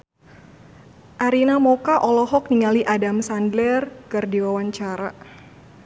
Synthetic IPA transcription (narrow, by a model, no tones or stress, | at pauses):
ʔaɾinamɔkaʔɔlɔɦɔk̚niŋaliʔadamsandlɛrkɨrdiwawaɲt͡ʃaɾa